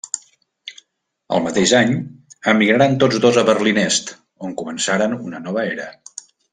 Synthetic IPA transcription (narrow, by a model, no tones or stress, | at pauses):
ə̰lˠmət̪eʒaɲəmːiɣɾaɾant̪od͡zzd̪ozəβərlinɛst̪ | oŋkumənsaɾənunənɔβəeɾə